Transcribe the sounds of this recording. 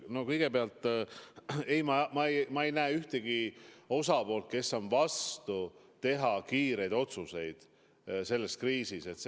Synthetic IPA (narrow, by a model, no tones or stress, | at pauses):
no̞kɤjɡ̥e̞beɑlt̪ˑː | e̞jmɑmɑejmɑejnæːyht̪eɡ̥io̞sɑpo̞ːlt̪̚ke̞sːo̞nvɑst̪ut̪e̞ɦɑkiːɾe̞jd̪o̞t̪suse̞jd̪̥ | se̞lːe̞skriːsise̞t̪s